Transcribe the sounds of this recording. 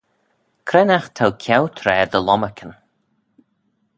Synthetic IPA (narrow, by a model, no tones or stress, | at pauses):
kʰɾɛnaxt̪ʰawkʰjawt̪ʰɾɛːd̪əlɔməkʲʰən